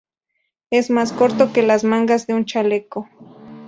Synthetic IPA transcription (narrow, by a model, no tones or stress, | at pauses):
esmaskoɾt̪okelasmaŋɡazd̪eunt͡ʃaleko